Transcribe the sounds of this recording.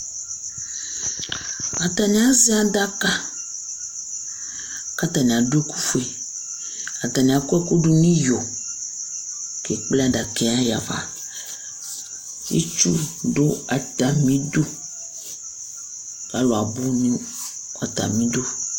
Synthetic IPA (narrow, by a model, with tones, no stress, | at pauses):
a˨t̪a˨nĩ˦a˦zi˦a˨da˦ka˦ | ka˦t̪a˨nĩ˨a˨ɖe˦ku˦fu˨e˨ | a˨t̪a˨nĩ˨a˨kɛ˦ko˦ɖo˦nĩ˦jo˨ | ke˨k͡plɛ˦a˨ɖa˨kɛ˦a˦ja̰˨va̰˨ | jḛ˦t͡ʃu˦ɖo˦a˨t̪a˨mĩ˦do˦ | ka˨lo˨a˨bo˦nĩ˦ | ka˨t̪a̰˨mĩ˦do˦